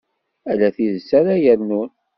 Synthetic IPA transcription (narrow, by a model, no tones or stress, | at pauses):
ælæθiðəsaɾæjəɾnun